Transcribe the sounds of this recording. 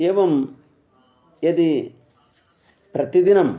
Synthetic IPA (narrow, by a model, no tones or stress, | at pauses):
eːʋɐm | ɐd̪i | pɾɐt̪id̪inɐm